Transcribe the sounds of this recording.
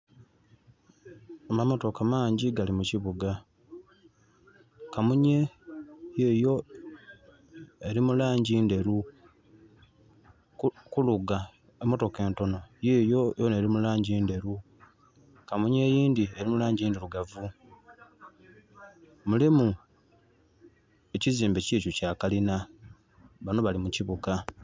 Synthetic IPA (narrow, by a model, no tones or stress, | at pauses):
amamo̞to̞kamaːɲɟiɡalimuciβuɡa | kamuɲe̞ | jeːjo̞ | e̞ɾimulaːɲɟiːnde̞ɾu | kuluɡa | emo̞to̞ke̞ːnto̞no̞jeːjojone̞ːɾimulaːɲɟiːnde̞ɾu | kamuɲe̞jiːndie̞ɾimulaːɲɟiːndeɾuɡavu | mulimu | e̞ciziːmbe̞ciːcucaːkalina | βano̞βalimuciβuka